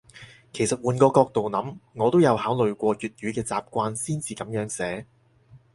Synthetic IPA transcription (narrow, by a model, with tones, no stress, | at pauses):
kʰe˨˩jsɐ˨t̚wuː˨˩nkɔː˧kɔː˧k̚t̪o˨wnɐ˨˥mŋɔː˨˧t̪o˥wjɐ˨˧whaː˨˥wlɵ˨ɥkʷɔː˧jyː˨t̚jyː˨˥kɛː˧t͡saː˨p̚kʷaː˧nsiː˥nt͡siː˨˧kɐ˨˥mjœː˨˥ŋsɛː˨˥